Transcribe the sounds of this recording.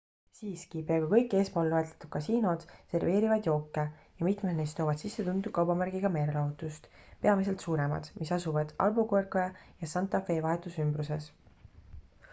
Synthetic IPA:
siːskipeɑɡ̥ɑkɤ̞jkˑːe̞ːspo̞ːlːɑhet̪le̥t̪ud̥̪̚kːɑsiːno̞d̪̥se̞rve̞ːɾivɑd̪̥jo̞ːkːejɑmit̪med̪nejst̪o̞ːvɑd̥̪sisːe̞t̪und̪ukɑwbɑmærɡ̥iɡ̥ɑme̞ːɾelɑɦut̪ːˑust̪pe̞ɑmise̞lt̪suːɾe̞mɑ̰d̪̥misɑsuvɑd̪̥ɑ̰lbukorkoɑjɑsɑnt̪ːˑɑfe̞ːvɑɦe̞t̪ːˑusymbruse̞s

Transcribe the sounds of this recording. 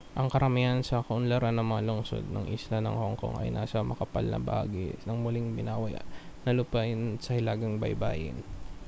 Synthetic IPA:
ʔɐŋkɐɾɐmijansɐkɐʔʊnlɐɾanːɐŋmɐŋalʊŋso̞̰d̪̚nɐ̰ŋʔɪ̰slanɐ̰ŋhoŋko̰ŋʔɐ̰jnaːsɐmɐkɐpa̰lnʔɐ̰ba̰ːɡɪ̰nɐŋmʊlɪŋbɪnaːwɐja̰nɐlʊpaʔɪnsɐhɪlaːɡɐŋbɐ̰jba̰ːjɪ̰n

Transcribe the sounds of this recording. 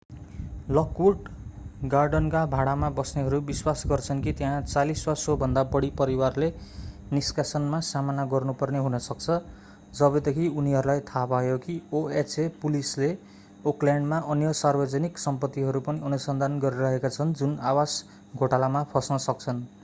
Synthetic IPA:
lʌkuʈɡarɖʌnkabʱaɽamabʌsneɦʌɾubiswasɡʌrt͡sʰʌnkit̪jeɦãt͡saliswasobʱʌnd̪abʌɽipʌɾiwarleniskasʌnmasamanaɡʌrnupʌrneɦunʌsʌk̚t͡sʰʌ | d͡zʌbʌd̪ekʰiuniɦʌɾulajt̪ʰapajokioet͡sepulisle | oklaɳɖmaʔʌnjʌsarbʌd͡zʌniksʌmpʌt̪ːiɦʌɾupʌniʌnusʌnd̪ʱanɡʌɾiɾʌɦekat͡sʰʌnd͡zunawas | ɡʱoʈalamapʰʌsnʌsʌk̚t͡sʰʌn

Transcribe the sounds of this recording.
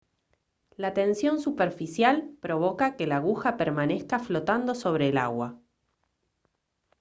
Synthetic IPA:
lat̪e̞nsjo̞nsupeɾfisjalpɾo̞β̞o̞kakelaːɣuxapeɾmane̞skaflo̞t̪and̪oso̞β̞ɾe̞ːla̰ɣwa̰

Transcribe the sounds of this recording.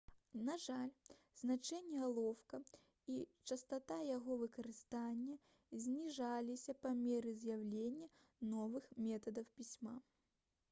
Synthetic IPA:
naʐalʲ | z̥nat͡ʂɛnʲːɛalˠɔwkɐ | it͡ʂɐst̪at̪ajaɣɔvɨkɐɾɨst̪anʲːɐ | zʲnʲiʐalʲisʲɐpɐmʲɛɾɨzʲjawlʲenʲːɐ | nɔvɨxmʲɛt̪ɐd̪ɐwpʲisʲma

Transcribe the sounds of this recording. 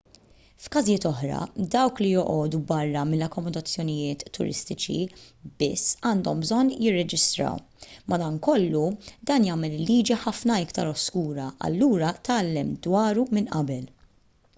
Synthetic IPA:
fkɐzijɪːt̪ɔħɾɐ̰d̪ɐwklijɔʔɔːd̪ubɐrːɐmɪlːɐkːɔmɔd̪ɐt͡sːjɔnɪjɪːt̪ʰːʊ̰ɾɪ̰st̪ɪt͡ʃḭ | b̥ɪsːɐːnd̪ɔmbzɔnːjɪrːɛd͡ʒɪst̪ɾɐ̰w | mɐd̪ɐnkɔlːud̪ɐːnjɐːmɛlɪlːiːd͡ʒiħɐfnɐɪkt̪ɐ̰ɾɔskuːɾɐɐ̰lːuːɾɐt̪ɐːlːɛmd̪wɐːɾumɪnʔɐ̰bɛl

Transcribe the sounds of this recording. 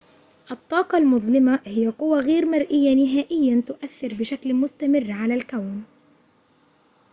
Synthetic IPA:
ʔɑt̪ˤːɑːqɑlmʊðˤlɪmahɪjːaqʊwːaɣeːɾmaɾˤʔɪjːanɪɦaːʔɪjːat̪ʊʔaθːɪɾbɪʃaklmʊst̪amɪrːʕalalkawn

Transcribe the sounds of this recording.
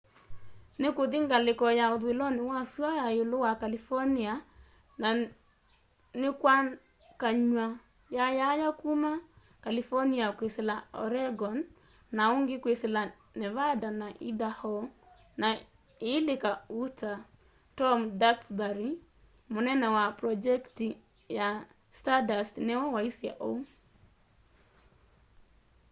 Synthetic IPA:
nɪkoðiŋɡalɪkɔjaoðwelɔnɪwaswajajolowakalifɔnia | na | nɪkwa | kaɲwa | jajajakuma | kalifɔniakweselaɔ̰ɾɛɡɔnː | aoŋɡɪkwesela | nɛvadanaʔidahɔ | na | ilikauta | tɔmdaksbaɾi | munɛnɛwapɾɔd͡ʒɛkti | ja | stadasnɛɔwaisia̰ʔɔ̰

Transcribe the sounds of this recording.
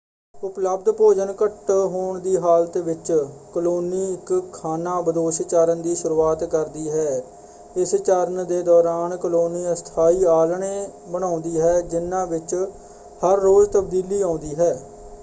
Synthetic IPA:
ʊpləb̚d̪poːd͡ʒənkəʈɦoːɳd̪iːɦaːlət̪ʋɪt͡ʃkəloːniːɪkkʰːaːnaːbəd̪oːʃt͡ʃaːɾənd̪iːʃʊɾuːaːt̪kəɾd̪iːɦɛː | ɪst͡ʃaːɾənd̪eːd̪ɔːɾaːnkəloːniːəst̪ʰaːiːaːlɳeːbəɽ̃ãːʊnd̪iːɦɛːd͡ʒɪnːãːʋɪt͡ʃ | həɾːoːzt̪əb̚d̪iːliːãːnd̪iːɦɛː

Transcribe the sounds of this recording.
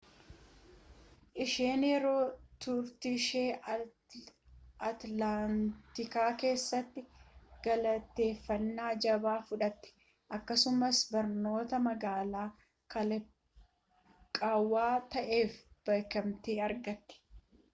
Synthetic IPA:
ʔɪʃeːnjɛɾo̞ːt̪ʊɾt̪ɪʃe̞ː | ɐt̪lant̪ɪkaːke̞ːsːɐt̪ːɪɡ̥ɐlɐt̪e̞ːfːɐnːaːd͡ʒɐbaːfʊᶑɐt̪ːɪ̥ | ʔɐkːɐsʊmɐsbɐɾno̞ːt̪ɐmɐɡaːlaː | kɐ | kʼaːwːaːt̪ɐʔe̞ːfb̥ɐjkɐmt̪eːɐɾɡɐt̪ːɛ̥

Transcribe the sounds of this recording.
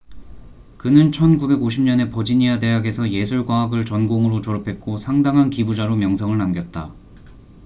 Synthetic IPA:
kɯnɯnt͡ɕʰʌnɡube̞ɡoɕʰimɲʌne̞pʌd͡ʑiɲiade̞ɦaɡe̞sʰʌje̞sʰuɭɡwaɦaɡɯɭt͡ɕʌnɡoŋɯɾot͡ɕoɾʌpʰe̞t̚k͈osʰaŋdaŋɦankibud͡ʑaɾomjʌŋs̬ʰʌŋɯɭnamɡjʌt̚t͈a

